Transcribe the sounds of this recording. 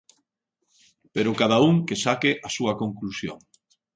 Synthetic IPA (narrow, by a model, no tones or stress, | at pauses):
peɾʊkað̞auŋkesakɪʔasuɐkoŋklusjo̰ŋ